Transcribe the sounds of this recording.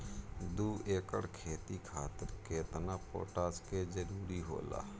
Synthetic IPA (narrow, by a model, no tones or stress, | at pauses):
d̪uːeːkə̰ɽkʰeːt̪ikʰaːt̪əɾkeːt̪napo̰ːʈaːsked͡ʒəɾuːɾiɦo̰ːla̰ː